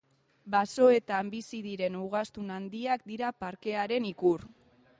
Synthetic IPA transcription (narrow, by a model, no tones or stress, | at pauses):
baso̞e̞t̪ambisiðiɾe̞nuɣ̞ast̪unand̪iakd̪iɾapaɾke̞aɾe̞nikuɾ